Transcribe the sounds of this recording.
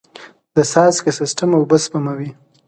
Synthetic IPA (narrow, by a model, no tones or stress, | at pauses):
d̪̥əsɑskesɪsʈamawbəspamawi